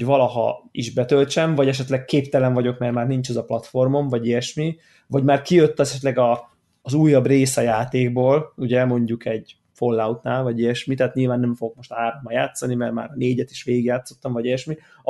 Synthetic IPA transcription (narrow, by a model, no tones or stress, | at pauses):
vɒlɒɦɒ̰iʒbɛt̪ølt͡ʃɛmvɒɟɛʃ̬ɛt̪lɛkkeːpt̪ɛlɛɱvɒɟo̞kmɛrmaːrnint͡ʃɛzɒplɒt̪fo̞rmo̞mvɒɟiɛʃmi | vɒɟmaːrkijøt̪ːɒɛt̪lɛɡɒː | zuːjːɒbreːsɒjaːt̪eːɡ̚boːluɟɛɛmo̞ɲɟukɛɟ | fo̞lːaut̪naːlvɒɟiɛʃmit̪aːt̪ɲiːlvaːnːɛɱfo̞ɡokmo̞ʃt̪ɒɦaːɾomːɒjaːt̪sɒnimɛrma̰ːɾɒneːɟɛt̪i̥ʃʋeːɡiɡjaːt̪sːo̞t̪ːɒɱvɒɟiɛʃmi